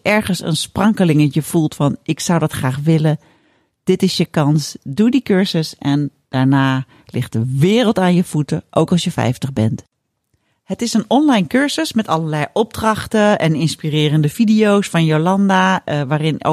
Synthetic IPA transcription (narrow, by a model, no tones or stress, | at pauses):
ʔɛɹχənsə̰nsprɑŋkəlɪŋəəv̥ulˠtfɑnʔɪksʌwdɑtχraːχʋɪlə | d̥ɪtɪsjəkɑnsduːdikøɹzəsʔɛn | d̥aːɹnaː | lɪχt̚dəʋɪːrəlˠtaːnjəv̥utəʔo̰wkɑlˠsjəfɛ̰jftəχbɛnt | hətɪsənɔnlajnkøɹzəsmɛtɑləɹlɛjʔɔb̚drɑχtəɛnɪnspirɪːrəndəfidijowsfɑnjolɑndaʋaːrɪn